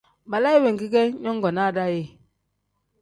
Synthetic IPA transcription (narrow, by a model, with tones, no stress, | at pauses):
ba˨la˦ji˦we˨ŋ˨ɡi˦kɛ˦ɲɔ˦ŋ˦ɡɔ˨na˦˨da˦je˦